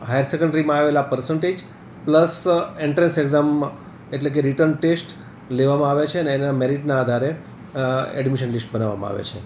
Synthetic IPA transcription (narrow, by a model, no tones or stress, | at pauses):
ɦajəɾsekəɳɖɾimãaʋelapəɾsəɳʈed͡ʒ | pləseɳʈɾẽnseɡzam | eʈlek̬eɾiʈəɾnʈesʈ | leʋamãaʋet͡ʃʰeəneːnameɾiʈnaːd̪ʱaɾe | ɛ̰ɖmiʃənlisʈ̚bənaʋa̰mã̰a̰ʋḛt͡ʃʰe